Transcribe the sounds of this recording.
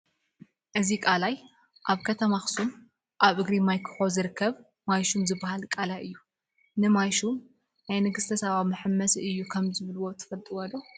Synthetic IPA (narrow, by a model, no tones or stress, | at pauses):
ʔɨzikʼalaj | ʔaβkʰɐt̪ʰɐmaxsum | ʔaβʔɨɡɾimajkʰħozɨɾɨkʰːɐβ | majʃumzɨbːahalkʼalajʔɨjːu | nɨmajʃum | najnɨɡɨst̪ʰɐsɐβamɨħɨmːɐsɨjːukʰɐmzɨβɨlwo̞t̪ʰɐ̥fɐlt̪ʼiwɐlo